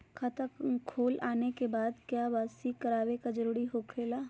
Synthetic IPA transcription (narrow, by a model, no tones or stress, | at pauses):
kʰat̪əkkʰoːlaːnekebaːd̪kjaːʋaːsikɐɾaːʋekad͡ʒəɾuːɾiɦokʰeːlaː